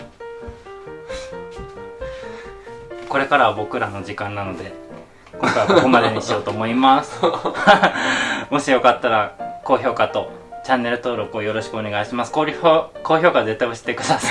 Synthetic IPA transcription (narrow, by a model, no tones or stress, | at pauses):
ko̞ɾe̞kaɾaβabo̞kɯ̟ɾano̞d͡ʑikãnːano̞d̪e̞ | kõ̞ŋkajβakoko̞mad̪e̞ɲ̟ɕijo̞ːt̪o̞ːmo̞imasɨ̥ | mo̞ɕijo̞kat̪ːaɾako̞ːço̞ːkat̪o̞ | t͡ɕãnːe̞ɾɯ̟t̪o̞ːɾo̞kɯo̞jo̞ɾo̞ɕi̥kɯo̞ne̞ɡaiɕimasɨ̥koko̞ːço̞ːkaze̞t̪ːaio̞ɕi̥t̪ːekɯ̟d̪asḁ